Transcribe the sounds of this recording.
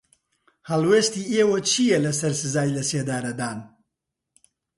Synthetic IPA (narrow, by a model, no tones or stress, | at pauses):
hɐlweːst̪iːeːwot͡ʃʰijɛlɐsɐɾsɨzaːjilɐseːd̪aːɾɐd̪aːn